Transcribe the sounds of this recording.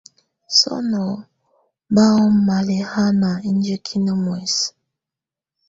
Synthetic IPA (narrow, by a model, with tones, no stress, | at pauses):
sɔ̰˦nɔ˨ | ba˦ɔ˦ma˨lɛ˨ha˦na˨i˦n˦d͡ʒə˦kʰi˦nə˦mwɛ˨s